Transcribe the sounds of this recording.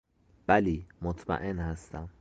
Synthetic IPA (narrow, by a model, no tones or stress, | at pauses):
b̥æliːmot̪ʰmæ̰ʔenhæst̪æm